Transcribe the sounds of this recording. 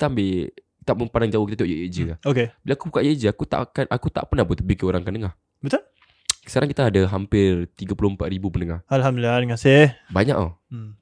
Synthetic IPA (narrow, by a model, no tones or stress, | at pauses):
ki̥t̪ambɪ | t̪aʔməmpandaŋd͡ʒawʊhkit̪at̪ioʔjəʔjəʔd͡ʒikaokebilaakubukaʔjəd͡ʒiakut̪a̰ʔkanʔakut̪a̰ʔpərnabʊt̪bikioɾaŋkandəŋah | bət̪ʊl | sə̥kaɾaŋkit̪aːdaɦampɪrt̪iɡapulʊəmpat̪ɾibupənəŋahalɦamdlanəŋasɪhbaɲa̰ʔo̰